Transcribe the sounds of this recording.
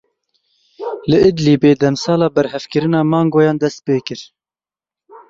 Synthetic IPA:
lɨʔɨd̪liːbeːd̪ɛmsɑːlɑːbɛɾhɛvkɨɾɨnɑːmɑːŋɡoːjɑːnd̪ɛst̪̚peːkɨɾ

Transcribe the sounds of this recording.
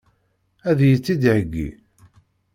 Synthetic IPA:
æðjət͡sːid̪ʕəɡːḭ

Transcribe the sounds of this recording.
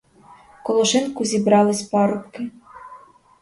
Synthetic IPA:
kɔlˠɔʃɪnkuzʲibɾɑlˠɪsʲpɑɾʊpkɪ

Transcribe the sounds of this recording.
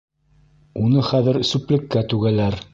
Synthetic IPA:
unɤχæðɘɾsʉplɘ̆kːæt̪ʉɡælæɾ

